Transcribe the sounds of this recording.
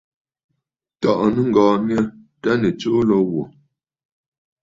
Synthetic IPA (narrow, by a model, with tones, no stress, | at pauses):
tɔ˨ʔnə˦ŋ̩˨ɡɔː˨nja˦ta˦nə˨t͡so˦lɔ˦wɔ˨